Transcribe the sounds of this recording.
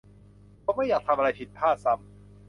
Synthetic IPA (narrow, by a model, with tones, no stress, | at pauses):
pʰɔ˧˥ma˥˩jaː˨˩k̚t̪ʰa˧mʔa˧a˧jpʰi˨˩t̪̚pʰaː˥˩t̪̚sa˧˥˩m